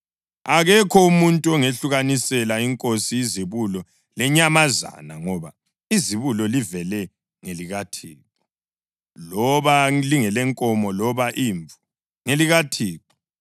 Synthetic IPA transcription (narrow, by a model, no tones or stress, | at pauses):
aɣɛkʰɔumuntʼuɔŋeɬuɣanisɛlaiŋkʼosiiziβulɔ | lɛɲamaza̰na̰ŋɔβa | iziβulɔlivɛlɛ | ŋeliɣatʰiːǃɔ | lɔβaliŋɛlɛŋkʼɔmɔlɔβaʔiːɱvu | ŋeliɣatʰiːǁɔ̥